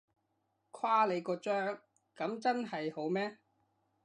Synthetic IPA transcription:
kʰwaː˥le˨˧jkɔː˧t͡ʃœː˥ŋ | kɐ˨˧˥mt͡sɐ˥nɦɐ˨jho˨˥wmɛː˥

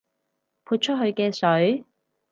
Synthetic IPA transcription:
pʰuː˧t̚t͡ʃʰɵ˥t̚ɦɵ˧ɥkɛː˧sɵ˨˥ɥ

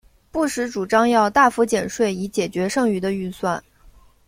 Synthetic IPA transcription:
pu˥˩ʂɻ̩˧˥ʈ͡ʂu˨˩ʈ͡ʂɑ˥ŋjɑ˥˧ʊt̪a˥˩fu˧˥t͡ɕjɛ˨˩nʂwe˥˩ɪi˧˥t͡ɕjɛ˨˩t͡ɕɥɛ˧˥ʂɤ˥˧ŋy˧˥d̪ə˧y˥˧swa˥˩n

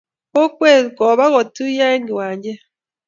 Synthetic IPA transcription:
ko˦kwe˦˨kɔ˨βa˦ɣɔ˨tu˦ja˦e˦ŋɡi˨waː˨ɲɟe˦

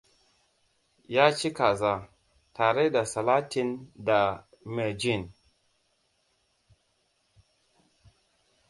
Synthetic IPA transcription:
ja˦t͡ʃi˦ka˨za˨ | ta˨ɾe˦da˨sa˨la˦ti˦nda˨ | me˨d͡ʒi˦˨n

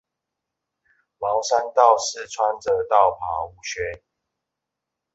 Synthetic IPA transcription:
mɑ˨˦ʊsa˦nt̪ɑ˥˨ʊsɻ̩˥˨t͡sʰwa˦nd͡zə˨t̪ɑ˥˨ʊpʰa˨˦u˨˦ɕɥɛ˥˦

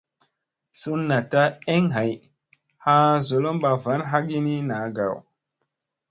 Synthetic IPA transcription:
su˦nːa˨ta˦e˦ŋɦa˨j | ha˦zo˨lo˦mɓa˨va˨˦nɦa˦ɡi˦ni˦na˨˦ɡa̰˨w

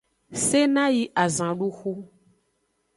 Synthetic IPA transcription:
se˦nã˦ji˦ʔa˨zã˨ɖu˦xu˦

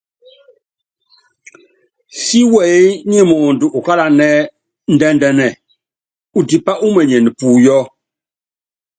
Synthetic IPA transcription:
si˦wɛ˨˦ɲi˦˨mɔ˨ndu˨ʔu˨ka˦la˨nɛ˦ | n̩˨dɛ˦ndɛ˨nɛ˨ | u˨ti˨pa˦ʔu˦mɛ˨ɲɛ˨n˨puː˨jɔ˦

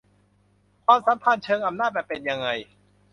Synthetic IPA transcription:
kʰwaː˧msa˨˦mpʰa˧˩˨nt͡ɕʰɤː˧ŋʔa˧mnaː˥˩t̪̚bɛː˨˩pːe˧nja˧ŋːa˧j

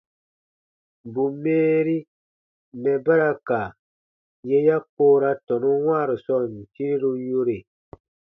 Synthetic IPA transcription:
bu˨meː˦ɾi˦ | mɛ˨ba˦ɾa˧ka˨ | je˦ja˦koː˦ɾa˧tɔ˨nũ˦w̃aː˦˨ɾu˨sɔ˦˨n˨ti˦ɾi˦ɾu˦jo˧ɾe˨

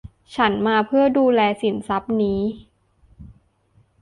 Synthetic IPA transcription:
t͡ɕʰa˦˥nmaː˧pʰɯ˥˩ɐduː˧lɛː˧si˩˦nsa˦˥p̚niː˦˥

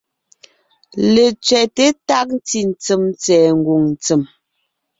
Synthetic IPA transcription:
le˨t͡sɥɛ˨te˦ta˦k̚n̩˦ti˨n̩˨t͡sə˨mt͡sɛː˨ŋ̩˨ɡo˨ŋn̩˨t͡sə˨m

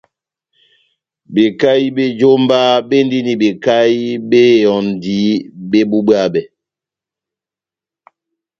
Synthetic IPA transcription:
be˨ka˦i˦be˦d͡ʒo˦mba˦be˦n˦di˦ni˨be˨ka˦i˦be˦˨jɔ˨n˨di˨˦be˦bu˦bɰa˦˨bɛ˨

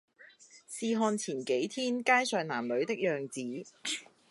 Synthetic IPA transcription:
siː˧ɦɔː˧nt͡sʰiː˨˩nke˨˥jt̪ʰiː˥nkaː˥jsœː˨ŋnaː˨˩mlɵ˨˥ɥt̪ɪ˥k̚jœː˨ŋt͡siː˨˥

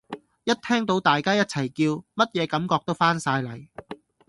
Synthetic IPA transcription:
jɐ˥t̚t̪ʰɛː˥ŋt̪o˨˥wt̪aː˨jkaː˥jɐ˥t̚t͡sʰɐ˨˩jkiː˧wmɐ˥t̚jɛː˨˧kɐ˨˧˥mkɔː˧k̚t̪o˥wfaː˥nsaː˧jlɐ˨˩j

